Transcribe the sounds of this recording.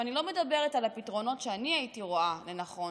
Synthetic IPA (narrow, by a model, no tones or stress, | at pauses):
anilo̞me̞dabe̞ʁetalapitʁo̞no̞tʃeaniaitiʁo̞ale̞naχo̞